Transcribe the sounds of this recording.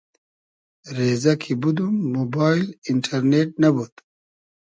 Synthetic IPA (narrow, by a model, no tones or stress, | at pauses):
ɾeːzɐkʰibud̪umːobaːjliɳʈʰɐɾneʈ̚nɐbut̪